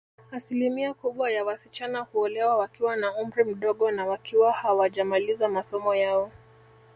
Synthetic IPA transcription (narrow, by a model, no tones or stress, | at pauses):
asilimiakuɓwajawasit͡ʃanahuɔlɛwawakiwanaum̩ɾim̩ɗɔɠɔnawakiwahawaʄamalizamasɔmɔjaɔ